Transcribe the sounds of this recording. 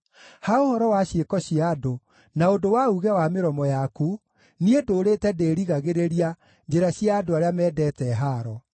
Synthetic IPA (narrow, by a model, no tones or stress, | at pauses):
haohɔɾɔwaɕjekɔɕiado | naondowauɣɛwameɾɔmɔjaku | niedoːɾeːtɛdeːɾiɣaɣeɾeɾia | d͡ʒeɾaɕiaːdoaɾeamɛːdɛtɛɦaɾɔ